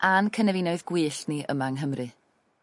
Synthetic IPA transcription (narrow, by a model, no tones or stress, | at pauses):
ʔankʰənɛvɪnɔɨðɡ̥wiːɬniʔə̰maŋɦəmrʔɨ